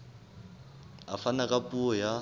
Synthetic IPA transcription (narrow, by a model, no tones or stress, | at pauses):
afanakʼapʼuɔja